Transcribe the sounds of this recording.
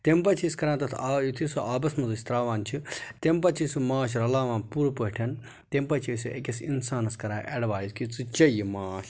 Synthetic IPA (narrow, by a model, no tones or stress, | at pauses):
t̪empɐt͡ʃʰiskɐɾãːt̪ɐt̪ʰajit̪ʰisuʔaːbɐsmɐzɐʃʰʲt̪ɾaːʋaːnt͡ʃʰit̪empɐt͡ʃʰisumaːʃ̬ɾɐlaːʋãːnpuːɾɐpɐɦʈʰɐn | t̪empɐt͡ʃʰisuʔḛkesḭnsaːnɐskɐɾãːʔeɖʋaːjizkit͡sɨt͡ʃɐjimaːʃ